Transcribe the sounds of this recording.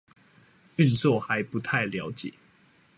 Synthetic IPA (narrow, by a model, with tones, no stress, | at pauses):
y˥˨nt͡swɔ˥˨xa˨˦ɪpu˨˦t̪ʰa˥˨ɪljɑ˨˦ʊt͡ɕjɛ̰˨˩˦